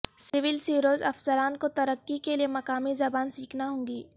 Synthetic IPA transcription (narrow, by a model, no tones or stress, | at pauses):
sɪʋɪlsiːɾoːzɐ̰fsəɾaːnkot̪ɐɾəkːikeliemɐkaːmizɐbaːnsiːkʰnaɦõːŋɡiː